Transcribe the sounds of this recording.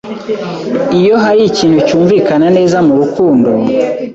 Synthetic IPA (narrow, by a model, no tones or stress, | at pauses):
ijo̞ɦaɾiciːn̥hucuːɱviːkanane̞ːzamuɾukʰuːndo̞